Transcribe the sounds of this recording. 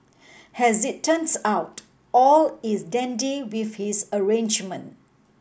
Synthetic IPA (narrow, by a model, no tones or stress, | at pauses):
hɛzɪtʰːə̃nsaʊt | ɔlisdɛ̃ndiwiθhisəɹẽnd͡ʒmə̃nt